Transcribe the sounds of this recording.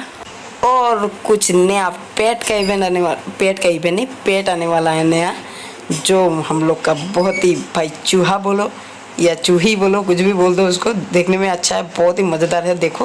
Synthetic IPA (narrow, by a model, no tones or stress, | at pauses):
ɔːɾkʊt͡ʃʰnəjapeːʈkaibʱɛ̃anpeːʈkaibʱɛ̃nĩpeːʈaːneʋaːlaɦɛ̃nɐja | d͡ʒoːhɐmloːɡkabɔɦʊt̪ɦibʱaːjt͡ʃuːɦaboːlo | jat͡ʃuːɦiboːlok̬ʊt͡ʃʰbʱiboːld̪oʊskod̪eːkʰnemẽɐtːʃʰaɦɛbɔːt̪ɦimɐd͡ʒəd̪aːɾɦɛd̪eːkʰo